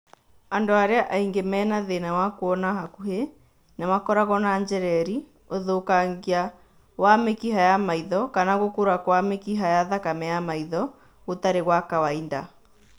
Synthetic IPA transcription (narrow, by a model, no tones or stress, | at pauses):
andoaɾeaʔaiŋɡemɛːnaðenawakoɔnaɦakuhe | nawakɔɾaɣɔnaɲd͡ʒɛɾɛɾi | oðokaŋɡia | wamekiɦajamaiðɔkanaɣokoɾakwamekiɦajaðakamɛjamaiðɔ | ɣot̪aɾeɣwakawainda̰